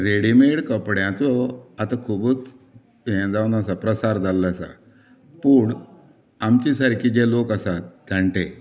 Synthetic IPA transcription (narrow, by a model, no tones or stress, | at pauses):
ɾeɽimeɽkəpɽjãt͡sɔat̪akʰubət͡s | ẽd͡zawnas̬apɾəsaɾd͡zalːasa̰ | puɳ | amt͡ɕisəɾkid͡ʑelokasat̪̚d̪əɳʈe